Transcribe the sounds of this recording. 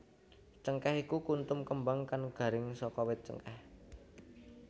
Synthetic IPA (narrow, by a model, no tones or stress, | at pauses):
t͡ʃəŋkɛhikukunt̪ʊmkəmbaŋkanɡ̥ä̤ɾɪŋsɔkɔwɪt̪̚t͡ʃə̰ŋkɛh